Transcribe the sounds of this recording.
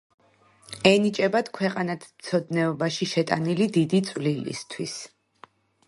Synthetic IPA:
ɛnit͡ʃʼɛbad̪̥kʰwɛqʼanat̪ʰmt̪sʰɔd̪nɛɔbaʃiʃɛt̪ʼa̰nilid̪id̪it̪sʼwlilḭst̪ʰwis

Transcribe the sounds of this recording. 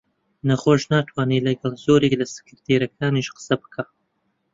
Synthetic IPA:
nɐχoːʃnaːt̪ʰwaːniːlɐɡɐlˠzoːɾeklɐsɨ̥kɨɾt̪ʰeːɾɐkʰaːniʃqɨ̥sɐbɨ̥kʰaː

